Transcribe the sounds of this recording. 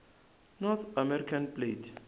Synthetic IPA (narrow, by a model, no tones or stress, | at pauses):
nɔθʰamɛɾikʰãnpletʰ